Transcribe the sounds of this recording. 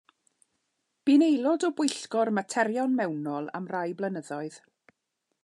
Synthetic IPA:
b̥inejlˠɔdɔbwʊjɬɡɔrmatʰɛɾjɔnmɛwnɔlˠa̰mrajblənəðɔɨð̥

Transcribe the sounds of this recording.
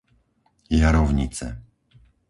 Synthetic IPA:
jaɾɔʊɲit͡sɛ̰

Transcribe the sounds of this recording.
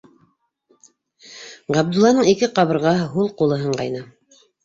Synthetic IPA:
ʁɑb̚d̪ulˠːɑnɤɴikɘqɑβɤ̆ɾʁɑhɦulˠqulˠɤ̆ɦɤɴqɑ̰jnɤ

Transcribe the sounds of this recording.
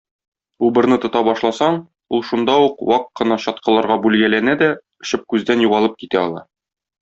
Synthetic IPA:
ubɤ̆ɾnɤt̪ŏt̪ɑbɒʃlˠɑsɑɴ | ulˠʃund̪ɑuqwɑqqːɤ̆nɑɕɒt̪̚qɤ̆lˠɑɾʁɑbʉlɡælænæd̪æ | ɵ̆ɕɘp̚kʉzd̪ænjuʁɑlˠɤp̚kit̪æɒlˠɑ̰

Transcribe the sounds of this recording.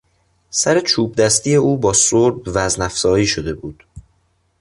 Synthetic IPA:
sæɾe̞t͡ʃʰuːb̚d̪æst̪ije̞uːbɒːsoɾbvæznæfz̥ɒːjiːʃod̪e̞buːd̪̥

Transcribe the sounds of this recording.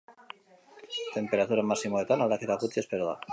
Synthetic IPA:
t̪e̞mpe̞ɾat̪uɾamasimoðet̪analakeðaɣut̪espeɾoða̰

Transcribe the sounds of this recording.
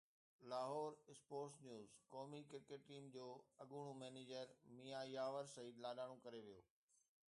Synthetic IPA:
laːɦɔːɾɪspoːɾsnjuːzkɔːmikɪɾkeʈʈiːmd͡ʑoːɐɠuɽ̃ũmɛːneːd͡ʑəɾmiːjajaːʋəɾsɐiːd̪laːɗaːɽ̃õkɐɾeʋijoː

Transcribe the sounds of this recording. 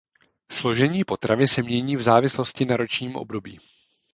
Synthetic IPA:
slo̞ʒɛɲiːpo̞t̪ɾavɪsɛmɲɛɲiːvzaːvɪslo̞scɪnaɾo̞t͡ʃɲiːmʔo̰bdo̞biː

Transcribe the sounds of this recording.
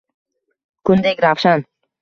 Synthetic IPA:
kʰʊnd̪ekʲɾafʃan

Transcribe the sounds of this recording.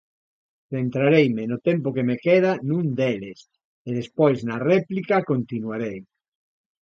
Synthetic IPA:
θent̪ɾaɾejmenot̪empokemekeðanũnd̪eles | eðespojznareplikakõnt̪inwaɾej

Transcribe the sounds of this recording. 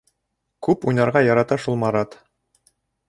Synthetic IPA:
kʉpujnɑɾʁɑjɑɾɑt̪ɑʃulˠmɑɾɑt̪

